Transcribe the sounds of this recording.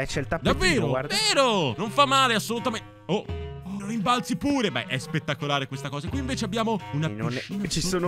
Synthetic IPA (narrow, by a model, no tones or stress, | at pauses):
ɛt͡ʃːelt̪ad̪avːeːɾoveːɾonoɱfamːaːleasːolut̪ame | ooɾiɱbalt̪sipuːɾebɛ̰ʔɛspet̪ːakolaːɾekwest̪akɔːzakwiːɱveːt͡ʃeabːjaːmounanot͡ʃisoːn